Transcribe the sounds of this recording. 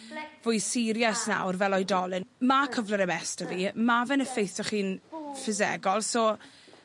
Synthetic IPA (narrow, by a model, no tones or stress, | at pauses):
vʊjsɪɾjasna̰wrvɛlˠɔjdɔlɪnmakʰəvləɾəmɛstəvimavɛnəfejθɔχiːnfɪzɛ̰ɡɔlˠsɔ